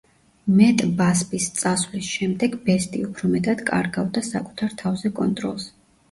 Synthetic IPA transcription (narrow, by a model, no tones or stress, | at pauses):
mɛt̪ʼbaspʼist̪sʼasvlisʃɛmd̪ɛɡbɛst̪ʼiupʰɾɔmɛt̪ʼad̪̥kʼa̰ɾɡavd̪asakʼu̥t̪ʰaɾt̪ʰavzɛkʼɔnt̪ʼɾɔlˠs